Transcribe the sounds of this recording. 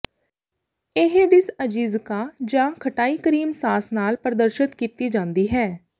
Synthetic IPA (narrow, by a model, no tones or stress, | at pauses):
eɦeɖɪsəd͡ʒiːzkaːd͡ʒãːkʰəʈaːiːkəɾiːmsaːsnaːlpəɾəd̪əɾʃət̪kiːt̪iːd͡ʒãːnd̪iːɦɛː